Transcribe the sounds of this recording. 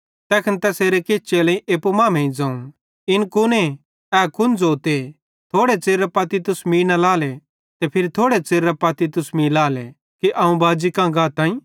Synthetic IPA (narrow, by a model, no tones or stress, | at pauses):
t̪ɛːkʰənt̪ɛseːɾekeːt͡ʃelɐːĩʔeːpumaːmẽĩd͡zãːũ | ɪnkʊne | ɛːkʊnd͡zoːt̪e | t̪ʰoːɽet͡seːɾapɐt̪it̪ʊsmiːnɐlaːlɛ | t̪ɛpʰɪɾit̪ʰoːɽet͡seːɾːapɐt̪it̪ʊsmilaːlɛ | kiʔɐũbaːd͡ʒikãːɡãːt̪ãːĩː